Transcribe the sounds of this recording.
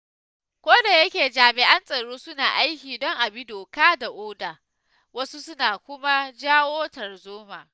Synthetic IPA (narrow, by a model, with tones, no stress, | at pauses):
kʷoː˦da˨jɐ˦kʲeː˨d͡ʒaː˨mɪ˨ʔa˦nsʼɐ˨ɽoː˦sʊ˦naː˨ʔa˦jkʲiː˨dɔ˦ŋʔa˨bɪ˦doː˨kaː˦da˨ʔoː˦daː˨ | wɐ˦su˦sʊ˦naː˨kʷʊ˦ma˦d͡ʒaː˦woː˦tɐ˨rzoː˦maː˨